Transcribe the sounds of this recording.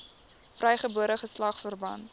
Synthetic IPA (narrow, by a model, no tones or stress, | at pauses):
frɛjχəbuəɾəχəslɐχfərbɐ̰nt